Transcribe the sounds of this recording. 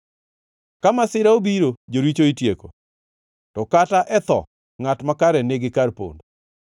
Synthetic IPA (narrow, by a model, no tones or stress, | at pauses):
kamasɪɾaobiɾod͡ʒoɾit͡ʃoitjeko | tɔkataʔɛt̪ɔ̰ | ŋatmakaɾɛneɡɪkarpo̰ndo